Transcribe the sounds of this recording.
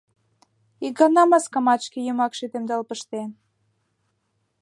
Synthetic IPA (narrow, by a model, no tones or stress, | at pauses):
ik̚ɡɑnɑmɑskɑmɑʃkejymɑkʃyt̪emd̪ɑlpəʃt̪en